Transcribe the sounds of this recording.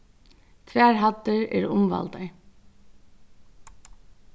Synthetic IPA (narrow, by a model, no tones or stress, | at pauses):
t̪ʰvæːɹɦat̪ːɪɹɛ̰ɹʊmva̰lt̪aj